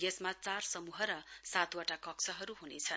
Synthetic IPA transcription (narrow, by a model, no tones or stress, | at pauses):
esmat͡sarsʌmuɦʌɾʌsat̪waʈakʌkt͡sʰʌɦʌɾuɦunet͡sʰʌn